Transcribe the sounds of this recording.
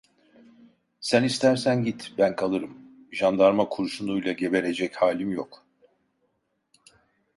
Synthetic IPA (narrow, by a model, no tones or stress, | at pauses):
sænist̪ʰæɾsænɟit̪bænkʰalˠɯɾɯm | ʒand̪aɾmakʰuɾʃunujlˠaɟe̞be̞ɾe̞d͡ʒɛchaːlʲimjok